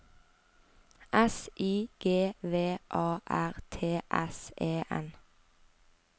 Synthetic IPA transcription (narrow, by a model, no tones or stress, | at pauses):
ʔɛsʔiːɡ̥eːʋeːʔɑːʔæʁt̪ʰeːʔɛseːʔɛ̰n